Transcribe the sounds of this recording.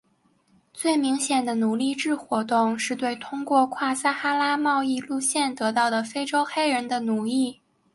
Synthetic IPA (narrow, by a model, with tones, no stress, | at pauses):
t͡swe˥˩ɪmi˧˥ŋɕjɛ˨˩nd̪ə˦nu˨˩li˥˧ʈ͡ʂɻ̩˥˩xwɔ˧˥t̪ʊ˥˧ŋʂɻ̩˥˧t̪we˥˩ɪt̪ʰʊ˥ŋkwɔ˥˧kʰwa˥˩sa˥xa˥la˥mɑ˥˧ʊi˥˧lu˥˧ɕjɛ˥˩nt̪ɤ˧˥t̪ɑ˥˩ʊd̪ə˩fe˥ɪʈ͡ʂo˥ʊxe˥ɪɻə˧˥nd̪ə˧nu˨˩li˥˩